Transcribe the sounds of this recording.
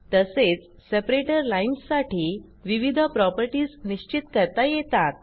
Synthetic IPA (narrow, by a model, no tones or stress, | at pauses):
t̪əset͡s | sepɾeʈəɾlainsːaʈiː | ʋiʋid̪ʱəpɾɔpəɾʈiːsniɕt͡ɕit̪kəɾt̪ajet̪at̪̚